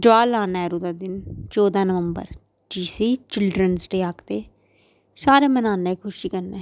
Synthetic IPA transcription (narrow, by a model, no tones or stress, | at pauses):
ɖʊaːlaːnɛːɾuːd̪aːd̪ɪnt͡ʃoːd̪ãːnəʋəmbə̰ɾ | d͡ʒiːsiːt͡ʃɪlɖɾənsʈeːaːkt̪eː | saːɾeːmənaːneːkʰʊʃiːkənːeː